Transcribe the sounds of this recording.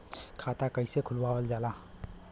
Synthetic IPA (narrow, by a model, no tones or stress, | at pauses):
kʰaːt̪akəɪsekʰʊlwaːəld͡ʒaːlaː